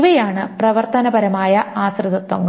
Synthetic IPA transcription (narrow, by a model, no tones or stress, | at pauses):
ʋɐjaːɳɨprɐʋɐrt̪ɐnɐbɐɾɐmaːjɐaːsrɨðɐt̪ʋɐŋː